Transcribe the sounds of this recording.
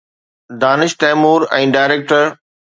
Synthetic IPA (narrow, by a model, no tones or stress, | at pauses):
d̪aːnɪʃt̪ɛːmuːɾɛ̃ːɖaːɪɾeːk̚ʈəɾ